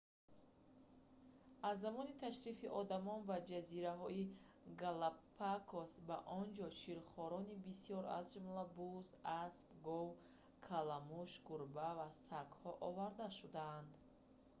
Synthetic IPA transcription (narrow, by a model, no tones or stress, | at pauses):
azːamɔnit̪ʰaʃɾifiʔɔd̪amɔnvad͡ʒaziɾaɦɔi | ɡalapʰːakʰosbaʔɔnd͡ʒɔt͡ʃʰiɾχɔɾɔnibisijɔɾa̰zd͡ʒumlabuzaspɡɔw | kʰalamuʃɡuɾbavasakhɔʔɔvaɾd̪aʃud̪aːnd̪